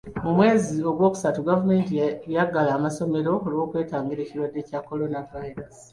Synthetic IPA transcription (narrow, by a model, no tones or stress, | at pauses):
mumwe̞ːzio̞ɡwo̞ːku̥satuɡavume̞ːntjaɡalaːmaso̞me̞ɾo̞oliwo̞ːkwe̞ːtaːŋɡiɾe̞ːciɾwadːe̞ːcakːo̞lo̞navaiɾasi̥